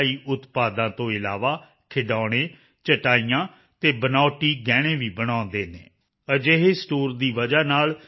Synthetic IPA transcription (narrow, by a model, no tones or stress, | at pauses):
iːʔʊt̪paːd̪ãːt̪õːɪlaːʋaː | kʰɪɖaːɽ̃ẽː | t͡ʃəʈaːiːjãː | t̪eːbənaːʈiːɡɛːɽ̃ẽːʋiːbəɽ̃ãːnd̪eːnḛ̃ː | əd͡ʒeɦeːsʈoːɾd̪iːʋəd͡ʒaːnaːl